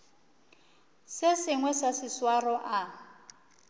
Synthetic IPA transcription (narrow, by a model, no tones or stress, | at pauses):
sɪsɪŋwɛsasɪswarɔʔa